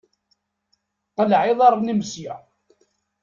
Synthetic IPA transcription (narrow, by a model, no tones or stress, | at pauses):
qəlʕɪðˤɑɾˤnəmsja